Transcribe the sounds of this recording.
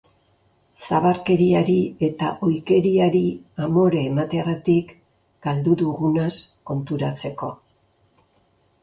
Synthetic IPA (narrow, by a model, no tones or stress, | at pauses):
saβaɾke̞ɾiaɾie̞t̪a̰ʔo̞jke̞ɾiaɾiamo̞ɾeːmat̪eɣat̪ik | ɡ̥ald̪uðuɣunasko̞nt̪uɾat͡se̞ko̞